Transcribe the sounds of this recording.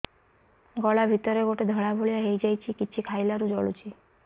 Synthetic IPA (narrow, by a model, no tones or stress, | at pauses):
ɡɔɭabʱit̪ɔɾeɡoʈed̪ʱəɭabʱoɭijaɦejd͡ʒajt͡ʃʰikit͡ʃʰikʰajlaɾud͡ʒɔɭut͡ʃʰi